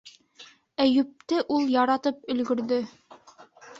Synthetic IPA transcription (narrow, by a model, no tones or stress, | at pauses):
æjʉp̚t̪ɘʔulˠjɑɾɑt̪ɤp̚ɵ̆lɡɵ̆ɾðɵ